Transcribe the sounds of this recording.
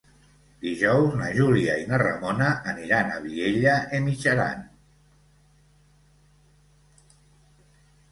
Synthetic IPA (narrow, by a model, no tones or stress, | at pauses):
d̪iʒɔwzna̰ʒuliainərə̰monaːniɾana̰βieʎəemit͡ʃəɾa̰n